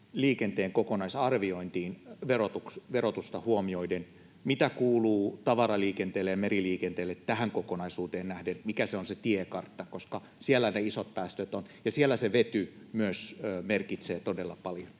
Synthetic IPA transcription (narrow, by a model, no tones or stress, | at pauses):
liːkent̪eːŋkokonɑisɑrʋioint̪iːnʋerot̪uksʋerot̪ust̪ɑhuomioiden | mit̪ækuːluːt̪ɑʋɑrɑliːkent̪eːlːejɑmeriliːkent̪eːlːet̪tæhæŋkokonɑisuːt̪eːnnæhdenmikæseonset̪iekɑrt̪ːɑkoskɑ | sielːˑæneisot̪̚pæːst̪øt̪onjɑsielːˑæseʋet̪ymyøsøːmerkit̪seːt̪odelːɑ̰pɑljon